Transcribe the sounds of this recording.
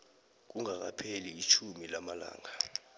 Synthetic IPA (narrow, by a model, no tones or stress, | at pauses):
k̬uŋak̬a̰pʰeliːt͡ʃʰumilamala̰ːŋa